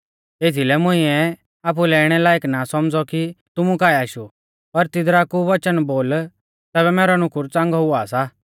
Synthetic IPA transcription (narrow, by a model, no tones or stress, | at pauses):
eːt̪ʰilɛmʊ̃ɪ̃ɛ | aːp̬ulɛɛːɽ̃ɛlaːeknasɔmd͡zɔkit̪ʊmukaːɛaːʃu | pɐɾt̪ɪd̪ɾakuʋɐt͡ʃənboːl | t̪ɛːbɛmɛːɾɔnʊkʊɾt͡sãːŋɡɔɦʊaːsa